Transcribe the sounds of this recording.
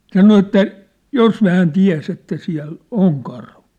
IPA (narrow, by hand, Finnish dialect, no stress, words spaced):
sɑno etːæ jos hæːn tiæ̝s etːæ siæ̝l oŋ kɑrhu